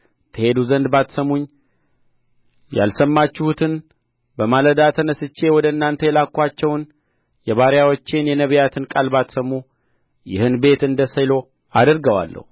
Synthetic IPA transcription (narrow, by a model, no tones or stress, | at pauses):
t̪ʰəhe̞d̪uzənd̪bat̪səmuɲː | ja̰lsəmːat͡ʃːɪhut̪ʰɨn | bəmaləd̪at̪ʰənəsɨt͡ʃːe̞wɔd̪əɨnːant̪ʰəjɛlakʰːʷat͡ʃːɛwn | jɛβaɾjawɔt͡ʃːenjɛnəβjat̪ʰɨnkʼalbat̪səmu | jɪ̰hɨnbe̞t̪ɨnd̪əsəjlo̞ | ad̪əɾɡəwa̰lːə̰hu